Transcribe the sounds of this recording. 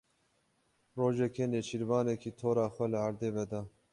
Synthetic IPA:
roːʒɛkeːneːt͡ʃiɾvɑːnekiːt̪ʰoːɾɑːxʷɛləaɾd̪eːvɛd̪ɑː

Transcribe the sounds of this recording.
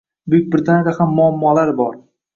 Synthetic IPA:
bʊɪk̚ʲbɾɪt̪ʰand̪ahamːʊamːɒlaɾbɒɾ

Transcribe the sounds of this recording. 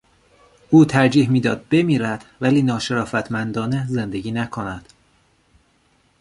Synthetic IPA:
ʔuːt̪ʰæɾd͡ʒiːɦmiːd̪ɒ̰ːd̪̚be̞miːɾæd̪̥væliːnɒːʃe̞ɾɒːfæt̪ʰmænd̪ɒːne̞ze̞nd̪e̞ɟiːnækʰo̞næd̪̥

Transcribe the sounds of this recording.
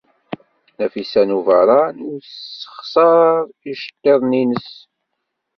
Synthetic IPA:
næfisænuvəɾˤɑnusə̥χsɑɾˤiʃə̥t̪ːeðˤninəs

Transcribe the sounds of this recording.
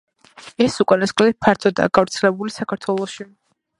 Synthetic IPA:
ɛsukʼanasχʼlɛt̪̚pʰaɾt̪ʰɔd̪a̰ːɡavɾt̪sʰɛlɛbulisakʰaɾt̪ʰwɛlˠɔʃi

